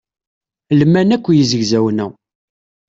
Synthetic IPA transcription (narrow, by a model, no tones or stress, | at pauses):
lmːænækʷːjizəʝzæwnæ